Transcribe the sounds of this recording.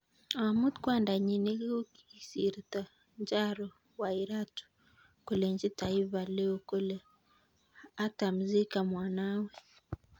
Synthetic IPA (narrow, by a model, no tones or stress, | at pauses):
awamut̪kwandaɲineɣo | isiɾita | ɲd͡ʒaɾo | waiɾatu̥ | koleɲd͡ʒitaiβaleokole | atamuzikamwaːnawɛ